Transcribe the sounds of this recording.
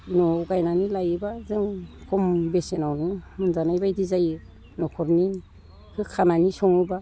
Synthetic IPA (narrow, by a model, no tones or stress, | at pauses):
nɔɡajnanilajɯbazɯŋkʰɔmbesenawnɯmɯnzanajbajdizajɯ | nɔkʰɔɾni | kʰɯkʰananisɔŋɯba